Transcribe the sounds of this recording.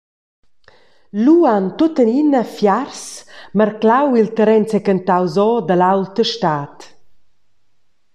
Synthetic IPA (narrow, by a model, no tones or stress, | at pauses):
luant̪ot̪əninafjarsməɾklawilt̪əɾɛnt͡sɛkənt̪awzɔd̪əlawlt̪əʃtaːt̪